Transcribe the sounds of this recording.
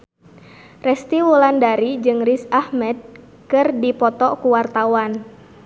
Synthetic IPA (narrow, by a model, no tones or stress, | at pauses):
rɛst̪iwulandaɾid͡ʒɨŋrisahmɛd̚ | kɨrdipɔt̪ɔkuwart̪awan